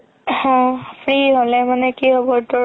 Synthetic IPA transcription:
hãpʰɹiɦolɛmanɛkiɦɔbɔɹtʊ

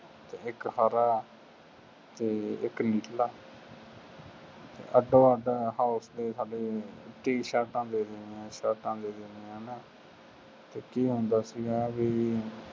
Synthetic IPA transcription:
t̪eːɪkhaːɾaː | t̪eːɪkniːʈlaː | t̪ḛːʔəɖoːaːɖaːhaːʊsd̪eːsaːɖeːʈiːʃaːʈãːd̪eːd̪enãːʃaːʈãːd̪eːd̪eneːanː | t̪eːkiːɦõːnd̪aːsiɡɛːbiː

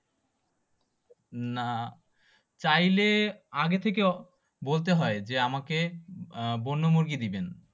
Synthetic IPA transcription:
na | t͡ɕajleaɡet̪ʰeke | bolt̪̬eɦɔed͡ʑeamake | bonːomoɾɡid̪iben

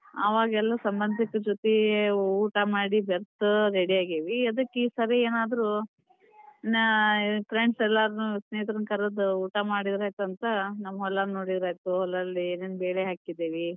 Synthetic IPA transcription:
ɐ̰ʋaːɡɐɛlːɐsɐmbɐnd̪ʱɐkːɐd͡ʒot̪euːʈɐmaːɽibeɾt̪uɾeɽiaːɡeʋiɐd̪ɐkːeisɐɾeeːnaːd̪ɐɾu | pʰɾeɳɖsɛlːaːɾnusneːt̪ɾɐnkɐɾɐd̪uuːʈɐmaːɽid̪ɾaːjt̪uɐnt̪ɐnɐmːɐɦɔlːaːnno̞ːɽid̪ɐɾaːjt̪uɛlːɐlːineːnbeːɭeɦaːkid̪ːeːʋi

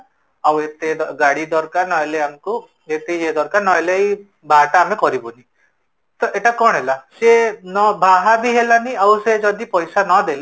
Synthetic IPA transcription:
awet̪ed̪ɔɡaɽid̪ɔɾkaɾnɔeleamku | et̪ejed̪ɔɾkaɾnɔɦelej | bʱaʈaːmekɔɾibɔni | t̪ɔʔeʈakɔɳ̃ɦelasenɔbʱaɦabiɦelaniawsed͡ʒɔd̪ipɔjsanɔd̪eli

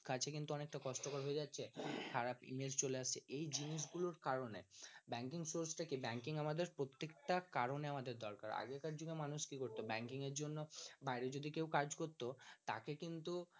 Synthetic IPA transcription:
kat͡ɕʰekint̪uɔnek̚ʈakɔʃʈokoɾɦoed͡ʑatːɕʰekʰaɾapḭmelst͡ɕoleaʃt͡ɕʰeʔejd͡ʑiniʃ̬ɡuloɾkaɾonebɛŋkiŋsoɾsʈakebɛŋkiŋamad̪eɾpɾot̪ːekʈakaɾoneamad̪eɾd̪ɔɾkaɾa̰ɡekaɾd͡ʑuɡemanuʃkikoɾt̪obɛŋkiŋeɾd͡ʑonːobajɾed͡ʑod̪ikewkaɾd͡ʑkoɾt̪ot̪a̰kekint̪u

